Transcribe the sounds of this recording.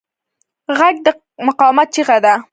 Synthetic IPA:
ɣaɡ̚d̪ə | mʊqɑmat̪̚t͡ʃiɣad̪a

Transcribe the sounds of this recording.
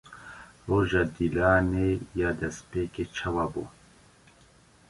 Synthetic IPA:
roːʒaːd̪iːlaːnejaːd̪ɛspeːket͡ʃʰɛwaːbṵː

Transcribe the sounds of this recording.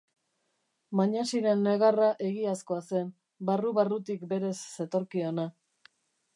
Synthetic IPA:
maɲasiɾe̞nːeɣaraʔe̞ɣiasko̞ase̞n | baruβarut̪ikbe̞ɾe̞sːe̞t̪o̞ɾkio̞na

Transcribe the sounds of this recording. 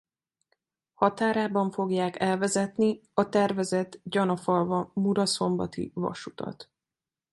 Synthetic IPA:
hɒt̪aːɾaːbɒɱfo̞ɡjaːkɛlvɛzɛt̪niɒt̪ɛrvɛzɛt̪ɟɒnɒfɒlvɒmuɾɒso̞mbɒt̪ḭvɒ̰ʃut̪ɒ̰t̪

